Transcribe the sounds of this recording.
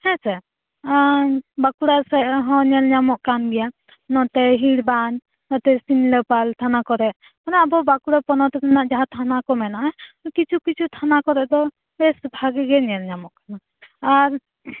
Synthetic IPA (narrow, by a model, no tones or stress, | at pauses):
hɛ̃sɛ | bakuɾasɛɦɔ̃ɲɛlɲamɔʔkanɡɛja | nɔt̪ɛɦiɽbaɲ | nɔt̪ɛsinləpalt̪ʰanakɔɾɛʔ | kanaabɔbakuɾapɔnɔt̪ɛt̪anaʔd͡ʒaɦãt̪ʰanakɔmɛnaʔɛkit͡ʃʰukit͡ʃʰut̪ʰanakɔɾɛʔd̪ɔ | bɛsbʱaɡiɡɛɲɛlɲamɔʔkana | aɾ